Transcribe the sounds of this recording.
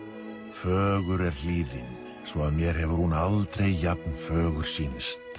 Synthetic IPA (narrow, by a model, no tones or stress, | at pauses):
fœːɣʏɾɛɾ̥liːðɪn | svɔaðmjɛɾ̥hɛvʏɾ̥hunalt̪ɾejːap̚nfœːɣʏɾ̥siːnst̪